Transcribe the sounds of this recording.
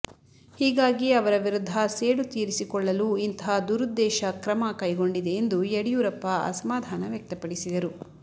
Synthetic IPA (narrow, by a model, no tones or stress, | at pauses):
hiːɡaːɡiɐʋɐɾɐʋiɾud̪ʱːɐseːɽut̪iːɾisikɔɭːɐluint̪ɦaːd̪uɾud̪ːɛːʃɐkɾɐmɐkɐjɡo̞ɳɖid̪e̞ːnd̪ueɽijuːɾɐpːɐɐ̰sɐmaːd̪ʱaːnɐʋjɐk̚t̪ɐpɐɽisid̪ɐɾu